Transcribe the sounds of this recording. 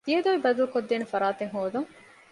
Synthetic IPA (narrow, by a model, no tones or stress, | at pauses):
d̪ied̪oːʋibɐd̪ɐlkod̪ːeːnefɐɾaːt̪eŋɦoːd̪uŋ